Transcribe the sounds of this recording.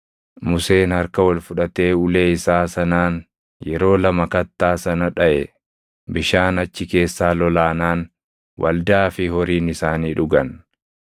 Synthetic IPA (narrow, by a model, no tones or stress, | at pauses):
mʊse̞ːnhɐɾkɐwɐlfʊᶑɐt̪e̞ːʊle̞ːɪsaːsɐnaːn | jɛɾo̞ːlɐmɐkɐt̪ːaːsɐnɐᶑɐʔɛ̰ | bɪʃaːnɐt͡ʃːɪke̞ːsːaːlɔlaːnaːn | wʔɐ̰ld̪aːfɪhɔɾiːnɪsaːniːᶑʊɡɐn